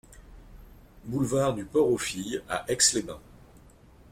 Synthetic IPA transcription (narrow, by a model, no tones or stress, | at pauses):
bulvaʁd̪ypɔʁofija̰ʔɛkslebɛ̃